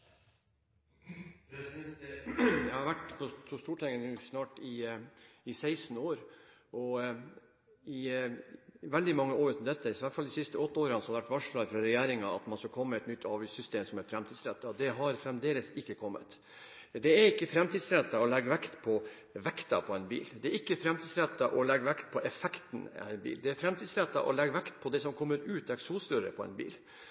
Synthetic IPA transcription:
jæɪhɑɾʋæʈpʰɔtʰɔst̪uːʈʰɛŋːənʉːsnɑːʈɪ | ɪsæɪsn̩oːɾ | ʔɔ | ɪ | ʋɛld̪ɪmɑŋːəoːɾʉːt̪n̩d̪ɛt̪ːəʋætfɑld̪ɪsɪst̪əɔt̪ːəoːɾɑnsɔhɑd̪ɛʋæʈʋɑʂɭɑːɡfɾɑɾɛjæːɾɪŋɑɑ̰t̪mɑnskɑlkʰɔmːəɛt̪nʏt̪ːɑːʋɪsʏst̪eːmsɔmɛɾfɾɛmt̪ʰiːd̪sɾɛt̪ːɑd̪ɛɦɑɾfɾɛmd̪eːləsɪkːəkʰɔmːə̰t̪ | d̪ɛæɾɪkːəfɾɛmt̪ʰiːd̪sɾɛt̪ːɑɔlɛɡːʋɛkt̪pʰɔ | ʋɛkt̪ɑ̰pʰɔɛnbḭːld̪ɛæɾɪkːəfɾɛmt̪iːsɾɛt̪ːɑʔɔlɛɡːʋɛkt̪̚pʰɔʔɛfɛkt̪nɛ̰nbḭːld̪ɛæɾfɾɛmt̪iːd̪sɾɛt̪ːɑ̰ʔɔ̰lɛɡːʋɛkt̪pʰɔd̪ɛsɔmkʰɔmːəɾʉːt̪ɛksuːsɾʉɾə̰pʰɔɛ̰nbḭːl

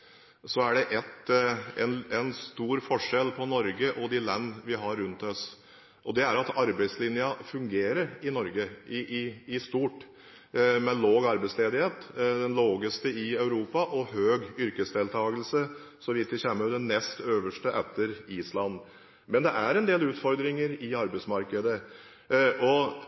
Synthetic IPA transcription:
sɔæɖɛʔɛt̪ɛnɛnst̪uːɾfɔʂɛlpʰɔnɔɾɡəʔɔd̪ɪlɛnːʋɪɦɑɾːʉnt̪ɔs | ʔɔd̪ɛæɾɑt̪ɑɾbæɪslɪnjɑfʉŋɡeːɾəɾɪnɔɾɡəɪɪɪst̪uːʈ | mɛloːɡɑɾbæɪsleːd̪ɪheːt̪d̪ɛnloːɡəst̪əɪɑʉɾuːpɑʔɔhøːɡʏɾkəsd̪eːlt̪ʰɑːɡəlsə | sɔʋɪt̪ʋɪçɛmːəd̪ɛnːɛst̪øːʋəʂʈəʔɛt̪ʰːəɾiːslɑnː | mɛnd̪ɛʔæɾɛnd̪eːlʉːt̪fɔɾd̪ɾɪŋəɾɪɑɾbɛɪtsmɑɾkəd̪ə | ʔɔ

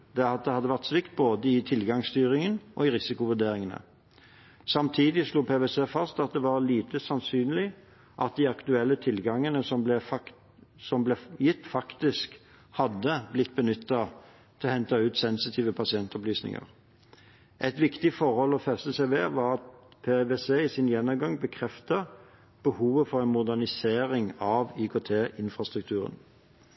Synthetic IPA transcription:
d̪̥ɛɑt̪̚d̪ɛhɑd̪ːəʋæʁt̪sʋɪkt̪̚boːd̪əɪt̪ʰɪlɡɑŋst̪yːɾɪŋənʔɔ̰ɪʁɪsɪkʊʋʉd̪eːɾɪŋənə̰ | sɑmt̪ʰiːd̪ɪsluːpʰeːʋeseːfɑst̪ɑt̪̚d̪ɛʋɑʁliːt̪ʰəsɑnsyːnlɪ | ʔɑt̪̚d̪ɪɑkt̪ʉɛlːət̪ʰɪlɡɑŋːənəsɔmblɛf | sɔmblɛjɪt̪ːfɑkt̪ɪsk | hɑd̪ːəblɪt̪ːbənʏt̪ːɑ | t̪ʰɛlɔhɛnt̪ɑʉːt̪sɛnsɪt̪ʰiːʋəpʰɑsɪɛnt̪ɔplyːsnɪ̰ŋə̰ʁ | ʔɛt̪ʋɪkt̪ɪfɔʁhɔlːɔfɛst̪əsɛʋeːʋɑːʁɑt̪pʰeʋeseːɪsɪnjɛnːɔmɡɑŋbəkʰʁɛft̪ə | b̥əhuːʋəfɔʁænmʊd̪æʁnɪseːʁɪŋɑʋyːkʰoːt̪ʰeːʔɪnfʁɑst̪ʁʉk̚t̪ʰʉːʁə̰n

